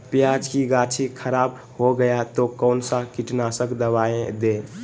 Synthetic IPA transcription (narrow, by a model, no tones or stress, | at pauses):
pjad͡ʒkiɡat͡ʃʰikʰəɾab | hoɡəjat̪okəʊnsãkiʈnasəkd̪əβaẽd̪e